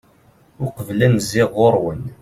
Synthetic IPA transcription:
ʊqəvlænzɪʁoɾˤwən

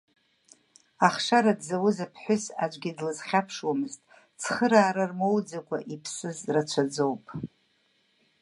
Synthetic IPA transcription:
aχʂaɾadzawʊzapʰħʷʊsad͡ʒʷʼɡʲidlɨzχʲapʰʂwamɨztʼ | t͡sʰχəɾaːɾarmowd͡zakʷʰa̰ʔipʰsɨzrat͡ʃʷʰad͡zowpʼ

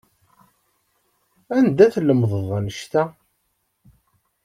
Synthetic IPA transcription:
ænd̪æθləmðˤəðˤænəʃt̪æ

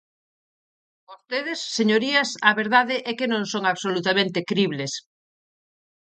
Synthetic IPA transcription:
ost̪eðesːeɲoɾiɐsɐβeɾðaðeʔɛkenõŋsoŋaβsolut̪amẽnt̪ekɾiβles

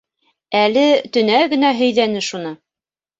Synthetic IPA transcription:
ælɘt̪ɵ̆næɡɘ̆næɦɵ̆jðænɘʃunɤ

